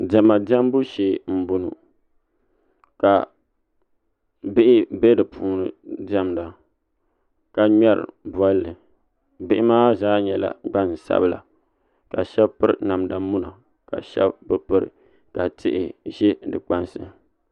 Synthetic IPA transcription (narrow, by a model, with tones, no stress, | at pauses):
dɛ˨ma˨da˦m˦bu˦ʃeː˨m̩˨bʊ˨nu˨ | ka˨ | bɪ˦ʔɪ˦bɛ˦dɨ˨pʰuː˨˦nɨ˨da˦mda˨ | ka˨ɲɛ˦ɾɨ̰˨ba˦lːɨ˨ | bɪ˦ʔɪ˦maː˦zaː˦ɲɛ˨la̰˨ɡ͡ba˦n˨sa̰˦bɨ˦la̰˨ | ka˨ʃɛ˦bpɨ˦ɾna˨mda˨mu˦na˨ | ka̰˨ʃɛ̰˦bbɨ˦pɨ˦ɾɨ̰˨ | ka˨tʰɪ˦ʔɪ˨ʒɛ˦dɨ˨k͡pa˦nsɨ˦